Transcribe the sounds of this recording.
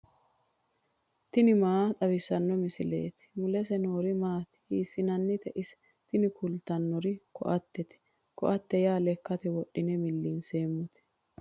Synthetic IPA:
t̪ɪnɪmaːt̪ʼɐbɪsːɐnːɔmɪsɪle̞̰ːt̪ɪ̥mʊlɛsɛnoːɾɪmaːt̪hiːsːɪnɐnːɪt̪ɛʔɪsɛ̥ | t̪ɪnɪkʰʊlt̪ɐnːɔɾɪkɔ̰ʔɐt̪ːɛt̪ɛ̥ | kɔ̰ʔɐt̪ːɛjaːlɛkːɐt̪ɛwɔɗːɪnɛmɪlːiːnse̞ːmːʊt̪ɛ̥

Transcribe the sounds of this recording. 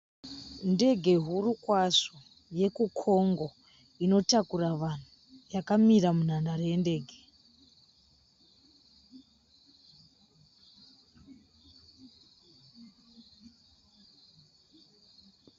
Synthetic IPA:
nde̞ɡʱe̞ɦurukwaʂo | je̞kukʰo̞ŋɡo̞ | ino̞takuraʋan̤u | jakamiramun̤andarende̞ːɡʱe

